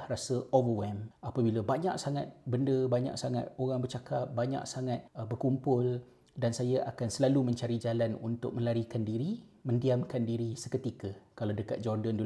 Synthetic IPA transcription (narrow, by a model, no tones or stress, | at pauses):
hrasəʔovəwɛmapabiləbaɲa̰ksaŋat̪̚bəndəbaɲa̰ksaŋa̰t̪̚oɾaŋbərt͡ʃakap̚baɲa̰ksaŋat̪̚bərkumpʊl | dansajaʔakansəlalumə̃ɲt͡ʃaɾid͡ʒalanṵnt̪ʊk̚mə̃laɾikandiɾimə̃ndiamkandiɾisəkət̪ikəkalawdəka̰t̪̚d͡ʒɔrdəndu